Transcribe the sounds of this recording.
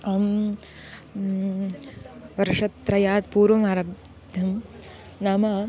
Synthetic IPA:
am | ʋɐɾʂɐt̪ːɾɐjaːt̪puːɾʋɐmaːɾɐb | d̪ʱɐm | naːma

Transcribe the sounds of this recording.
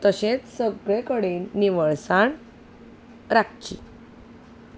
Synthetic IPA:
t̪əɕet͡ssəɡɭekəɽiːnːiʋəɭsaɳ | ɾak̚t͡ɕḭ

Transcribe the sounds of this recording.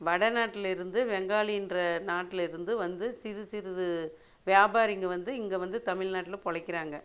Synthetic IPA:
ʋɐɽɐnaːʈːɪlɪɾɯnd̪ɯʋɛŋɡaːɭɪjɪndrɐnaːʈːɪlɪɾɯnd̪ɯʋɐnd̪ɯsɪɾɯsɪɾɯðɯ | ʋɪjaːbaːɾɪŋɡɐʋɐnd̪ɯɪŋɡeʋɐnd̪ɯt̪ɐmɪɭnaːʈːɪlpɔɻɐɪkːɪɾaːŋɡɐ

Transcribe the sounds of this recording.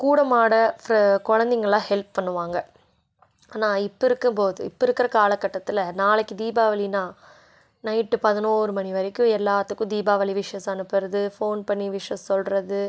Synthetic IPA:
kuːɽɐmaːɽɐfɾkɔɻɐnd̪ɪŋɡɐɭlãːhɛlp̚pɐɳːɯʋaːŋɡɐ | aːnaːɪpːɐɪɾɯkːɯmpoːðɯɪpːɐɪɾɯkːɪɾɐkaːlɐkːɐʈːɐt̪ːɪlɐnaːlɛkːɯd̪iːbaːʋɐlinaː | nɐɪʈːɯpɐðɪnoːɾɯmɐniʋɐɾɪkːʊ̃ɛlːaːt̪ːɯkːʊ̃d̪iːbaːʋɐliʋɪʂɐjɐsɐnɯpːɪɾɐðɯfoːnpɐɳːiʋɪʂjɐssɔlɾɐðɯ

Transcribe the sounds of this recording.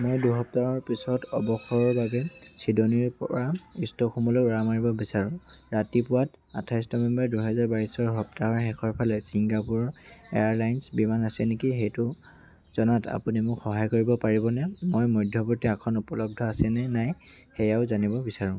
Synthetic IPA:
mojduɦɔp̚taɦɔɹpisɔtɔbɔxɔjɔɹbabɛsidoniɹpɔɹaistɔxumɔlɔɹamaɹibɔbisaɹʊ̃ɹatipʊwat | a̰tʰajsnɔbɛmbaɹduɦɛzaɹbaɹisɔɹɦɔp̚taɔɹɦɛkʰɔɹpʰalɛsiŋɡapuɹɔḛjaɹlajnsbimanasɛnekiɦejtʊ | z̥ɔnata̰punimʊkxɔɦajkoɹibɔpaɹibɔnɛmojmɔjdʱjɔbɔɹtiakʰɔnupɔlɔb̚dʱɔasɛnɛnaj | hɛjaʊzanibɔbisaɹʊ̃

